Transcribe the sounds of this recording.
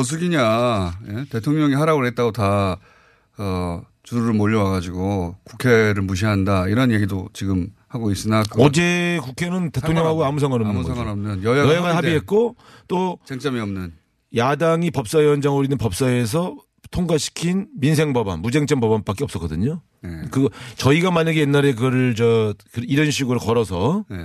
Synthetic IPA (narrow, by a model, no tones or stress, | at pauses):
ʌs̬ʰɯɡiɲaje̞te̞tʰoŋɲʌŋihaɾaɡoɭɦet̚t͈aɡota | ʌ | t͡ɕuɾuɾɯɭmoʎːʌwaɡad͡ʑiɡokukʰe̞ɾɯɭmuɕ̬ʰiɦandaiɾʌnje̞ɡidot͡ɕiɡɯmhaɡois͈ɯnakɯd͡ʑekukʰe̞nɯnte̞tʰoŋɲʌŋɦaɡoamus̬ʰaŋaɾʌnɯnɡʌɾʌmnɯnjʌjajʌjaɡahabiɦe̞t̚k͈o | t͈ot͡ɕeŋt͡ɕ͈amiʌmnɯn | jadaŋipʌp̚s͈aeʌnd͡ʑaŋoɾinɯnpʌp̚s͈aes̬ʰʌ | tʰoŋɡaɕʰi̥kʰinminsʰe̞ŋbʌba̰nmud͡ʑe̞ŋt͡ɕ͈ʌmpʌbanp͈ak͈eʌp̚s͈ʌk͈ʌdɯɲo | kɯɡʌt͡ɕʌiɡamaɲaɡe̞jenːaɾe̞kɯɡʌɾɯɭt͡ɕʌkɯiɾʌnɕ̬ʰiɡɯɾokʌɾʌsʰʌ